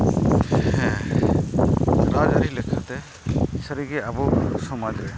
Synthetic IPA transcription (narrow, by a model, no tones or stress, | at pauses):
hɛ̃ | ɾad͡ʒaɾilekʰat̪ɛ | səɾiɡeabɔsɔmad͡ʒɾɛ